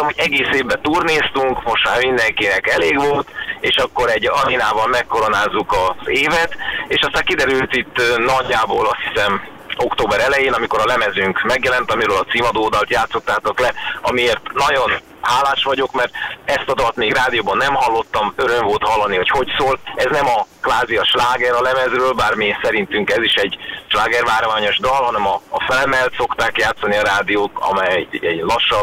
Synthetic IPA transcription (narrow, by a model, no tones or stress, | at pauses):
t̪omɦoɟɛɡeːseːbːɛt̪uːrneːst̪uŋkmo̞ʃt̪maːrmind̪ɛŋkinɛkɛleːɡʋo̞lt̪eːʃɒkːo̞ɾɛɟɒɾinaːvɒlmɛkːoɾo̞naːzukɒzeːvɛt̪eːʃɒst̪aːŋkid̪ɛɾylt̪it̪ːnɒɟːaːboːlɒst̪hisɛm | o̞kt̪oːbɛɾɛlɛjeːnɒmiko̞ɾɒlɛmɛzyːŋkmɛɡjɛlɛnt̪ɒmiɾøːlɒt̪siːmɒd̪oːd̪ɒlt̪jaːt̪so̞t̪ːaːt̪oklɛɒmieːrt̪nɒɟo̞n | haːlːaːʃʋɒɟo̞kmɛrt̪ɛst̪ɒd̪ɒlt̪miːɡraːd̪ijoːbɒnːɛmɦɒlːo̞t̪ːɒmøɾø̞ɱvolt̪hɒlːɒniɦo̞cho̞csoːlɛznɛmɒkʋaːziɒʃlaːɡɛɾɒlɛmɛzrøːlbaːrmisɛɾint̪yŋkɛziʃɛɟʃlaːɡɛrvaːɾvaːɲo̞ʒd̪ɒlɦɒnɛmɒːfɛlmɛlt̪so̞kt̪aːkjaːt̪sɒniɒɾaːd̪ijoːt̪ɒ̰mɛjɛ̰ɟlɒʃːɒ